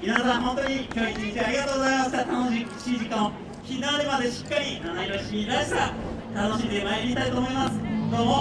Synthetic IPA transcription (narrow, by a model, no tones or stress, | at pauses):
inaasahõ̞nt̪o̞ɲ̟ikʲo̞ːɡʲit̪iit͡ɕeaɾʲiɡat̪oːɡozaimasɨ̥t̪at̪ano̞ɕiɕid͡ʑikãõ | çʲiaɾʲimad̪e̞ɕi̥kːaɾʲinanaiɾoɕimʲid̪aɕi̥t̪at̪ano̞ɕĩnd̪e̞majemʲit̪ait̪oːmo̞imasɨ̥d̪oːmo̞